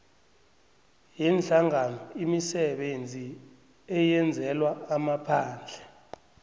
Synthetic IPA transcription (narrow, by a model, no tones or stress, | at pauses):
jɛnd͡ɮaŋanɔimisɛɓend͡zʱi | ɛjɛnd͡zʱɛlwaːmapʰaːnd͡ɮʱɛ̥